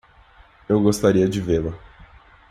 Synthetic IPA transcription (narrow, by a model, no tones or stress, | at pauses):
ewɡost̪aɾiɐd͡ʒɪvelɐ